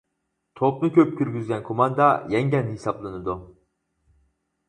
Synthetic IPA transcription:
t̪ʰop̚nɨkʲʰøp̚kʲʰyɾɡʲyzɡʲɛnkʰomɑnd̪ɑjɛŋɟʲɛnhisɑplˠɨnɨd̪u

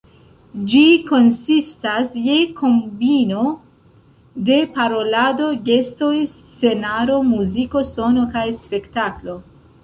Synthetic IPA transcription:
d͡ʒiko̞nsistasje̞kʰo̞mbino̞ | de̞paɾo̞lado̞ɡe̞sto̞js | t͡se̞naɾo̞muziko̞so̞no̞kajspe̞ktaklo̞

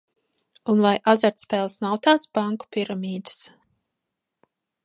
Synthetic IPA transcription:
unvajʔazaɾt̪spɛːlˠsnawt̪aːsb̥aŋku̥piɾamiːd̪ɨs

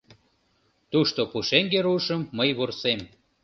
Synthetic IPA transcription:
t̪uʃt̪opuʃeŋɡeɾuʃəmːəjβursem

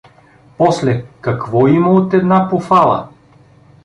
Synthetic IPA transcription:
pɔslɛkɐkvɔimɐot̪ɛd̪napofalˠə̰

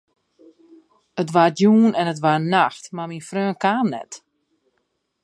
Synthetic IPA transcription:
ətʋarjuːnɛnətʋaɾnaxtmaminfrøːnkaːnnɛ̰t

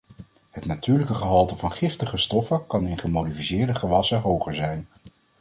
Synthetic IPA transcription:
ɦətnatyːɹləkəχəɦɑlˠtəvɑnχɪftəχəstɔfəkɑnɪnχəmowdifisɪːɹdəχəʋɑsəɦowχəɹzɛjn

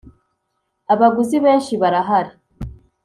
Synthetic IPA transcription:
aβaɡuziβe̞ːnʃiβaɾaɦaɾa

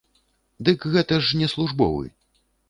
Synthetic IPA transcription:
d̪ɨkɣɛt̪ɐʂnʲɛslˠuʐbɔ̰wɨ̰

